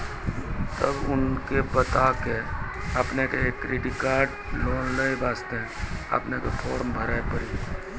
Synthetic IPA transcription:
t̪əbʊnkebət̪ake | əpnekeeːkːɾɪʈikaːɾɖ | loːnləibaːst̪eɦɛ̃ə̰pnekepʰoːɾmbʱəɾaːepəɾiː

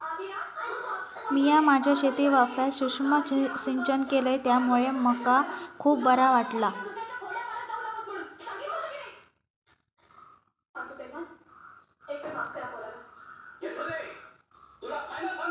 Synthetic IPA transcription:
miːjamad͡ʑʱjaɕet̪iːʋafaɕuʂmaɕiɲt͡ɕənkeləjt̪jamuɭeməkakʰuːp̚ːəɾaʋaʈla | eka

